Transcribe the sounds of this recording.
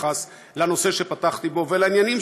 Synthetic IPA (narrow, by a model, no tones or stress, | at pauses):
as | lano̞se̞ʃe̞pataχt̪ibo̞velainjanim